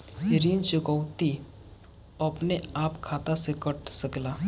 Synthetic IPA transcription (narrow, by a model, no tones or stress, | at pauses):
ɾiːnt͡ʃʊkəwt̪i | ɐpneaːpkʰaːt̪asekəʈʰsəklaː